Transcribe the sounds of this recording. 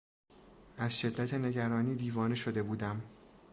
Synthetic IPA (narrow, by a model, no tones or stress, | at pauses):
ʔæzʃe̞d̪ːæt̪ʰe̞ne̞ɟæɾɒːniːd̪iːvɒːne̞ʃo̞d̪e̞buːd̪æm